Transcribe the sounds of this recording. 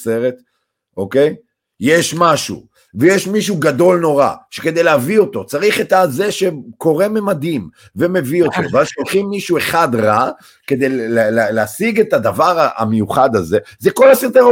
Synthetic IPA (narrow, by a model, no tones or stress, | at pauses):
seʁet̪ | okej | jeʃmaʃṵ | vejeʃmiʃ̬uɡado̞lno̞ʁa̰ʃeke̞d̪e̞jleavio̞t̪o̞t͡saʁiχet̪aze̞ʃe̞ko̞ʁe̞memad̪im | ve̞me̞vio̞t̪o̰veaʃolχimːiʃue̞χad̪ʁa | ke̞d̪ejllleleasiɡe̞t̪ad̪avaʁaa̰mejuχad̪aze̞zeko̞lasiʁt̪eʁ